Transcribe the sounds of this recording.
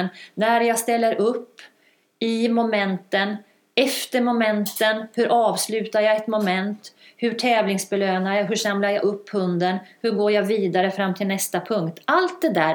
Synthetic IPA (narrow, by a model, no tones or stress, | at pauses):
nnæɾjɑːst̪ɛlːəɾʔɵpː | ɪmʊmɛnt̪ən | ɛft̪əɾmɔmɛnt̪ənhɵɾʔɑːvslʉ̟ːt̪aɾjɑːɛt̪mɔmɛnt̪hɵʈʰɛːvlɪŋsbɛløːnaɾjaɦɵʂamlajaɵpːhɵnd̪ənhɵɾɡoːjaviːd̪aɾəfɾamːt̪ʰɪlnɛst̪apʰɵŋkt̪ʰalt̪̚d̪ɛd̪æː